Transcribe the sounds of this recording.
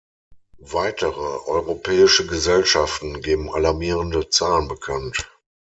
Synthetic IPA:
vaɪtəʁəʔɔʏʁopʰɛːɪʃəɡəzɛlʃaftn̩ɡeːbm̩alaɐmiːʁəndət͡saːlənbəkʰant

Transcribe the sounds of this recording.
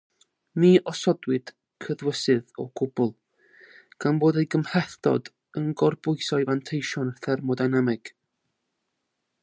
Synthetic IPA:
miːʔɔsɔdwɨd̥ | kʰəðwəsɨðɔ̰ɡ̥ʊbʊlˠ | ɡ̥anboːdejɡəmrɛθd̥ɔ̰d | ənɡɔrbʊɨsɔɨjvantʰejʃɔnərθɛrmɔdajnɛmɛɡ̥

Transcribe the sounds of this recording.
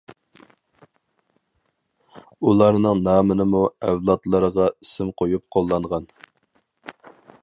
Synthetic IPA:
ulˠɑɾnɨŋnɑːmənɨmuɛvlˠɑt̪lˠəɾəʁɑisɪmqʰojup̚qʰolˠːɑɴʁɑn

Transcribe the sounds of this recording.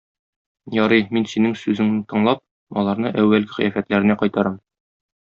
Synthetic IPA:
jɒɾɤjminsinɘŋsʉzɘŋnɘt̪ɤ̆ɴlˠɑp̚ | ɒlˠɑɾnɤʔæwːælɡɘqɤ̆jæfæt̪læɾɘ̆næqɒjt̪ɑɾɑm

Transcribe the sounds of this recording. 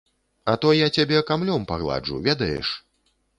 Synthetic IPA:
ɐt̪ɔjat͡sʲabʲɛkamlʲɔmpaɣlˠa̰d͡ʐṵvʲɛd̪ɐjɛ̰ʂ

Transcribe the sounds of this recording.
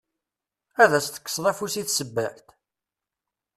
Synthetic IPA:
æðæst̪ə̥kːə̥sɾˤæfusiθsəbːæħt̪

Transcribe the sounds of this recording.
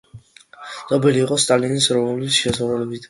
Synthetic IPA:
n̥ɔbɛliːqʼɔst̪ʼalinisɾɔvɔlisʃɛzʁuɾɛlɛbit̪ʰ

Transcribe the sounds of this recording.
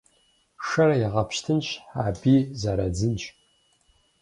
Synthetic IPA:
ʂɐɾɐjaʁɐpʃtʰɨnɕħaːbiːzɐɾɐd͡zɨnt͡ʃʼ

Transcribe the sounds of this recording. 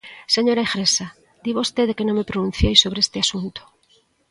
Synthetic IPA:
seɲoɾaeɣɾesa | d̪iβaost̪eðekenõmepɾonũn̟θjejsoβ̞ɾeest̪easunt̪o̥

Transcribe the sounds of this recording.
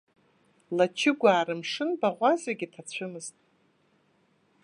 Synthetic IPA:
lat͡ʃʰɪɡʷaːɾɨmʂɨnbaʁʷazaɡʲitʰat͡ɕʷʰɨmɨztʼ

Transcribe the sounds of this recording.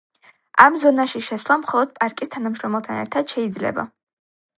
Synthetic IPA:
a̰mzɔnaʃiʃɛsvlˠamχɔlˠɔd̪̥̚pʼaɾkʼist̪ʰanamʃɾɔmɛlˠt̪ʰa̰nɛ̰ɾt̪ʰad̪̥ʃɛid̪zlɛ̰ba̰

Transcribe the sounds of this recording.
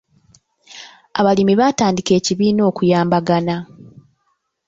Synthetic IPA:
aβalimiβataːndike̞ːciβiːno̞ːkujaːmbaɡana

